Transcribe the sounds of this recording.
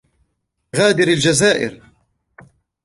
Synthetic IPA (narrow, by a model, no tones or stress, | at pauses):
ɣaːd̪ɪɾald͡ʒazaːʔɪ̰ɾ